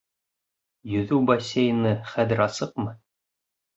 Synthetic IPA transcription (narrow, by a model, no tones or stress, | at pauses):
jɵ̆ðʉwbɐsʲːejɤ̆nɤχæðɘ̆ɾɑsɤq̚mɤ